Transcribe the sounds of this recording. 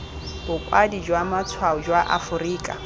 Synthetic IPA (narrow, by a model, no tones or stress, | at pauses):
b̥ʊkʼwadid͡ʒwamat͡sʰwaʊd͡ʒwaʔa̰fʊriːkʼa̰